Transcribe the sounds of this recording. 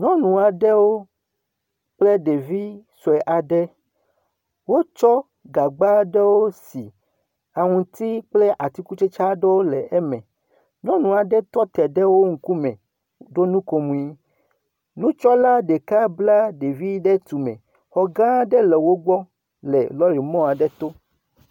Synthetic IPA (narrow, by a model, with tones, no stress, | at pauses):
ɲɔ̃˦nũ˨a˨ɖɛ˦wo˦ | k͡ple˦ɖe˨vi˦sɔ˨ɛ˨ʔa˨ɖɛ˦ | wo˦t͡ʃɔ˦ | ɡa˨ɡ͡ba˦ɖɛ˦wo˦si˨ | a˨ŋũ˨t̪i˦k͡plɛ˦ʔa˨t̪i˦ku˦t͡ʃe˦t͡ʃa˦ɖe˦wo˦lɛ˨ʔɛ˦mɛ̃˨ | ɲɔ̃˦nũ˨a˨ɖɛ˦t̪ɔ˦t̪ɛ˨ɖɛ˦wo˦ŋ̩˨ku˦mɛ̰̃˨ | ɖo˦nũ˦ko˨mũ˨i˦ | nũ˦t͡ʃɔ˦la˦ɖe˨ka˦bla˦ɖe˨vi˦ɖɛ˦t̪u˨mɛ̰̃˨ | xɔ˨ɡã˦ɖɛ˦lɛ˨wo˦ɡ͡bɔ˦ | lɛ˨lɔ˦ɾi˨mɔ̃˦a˨ɖɛ˦t̪o˦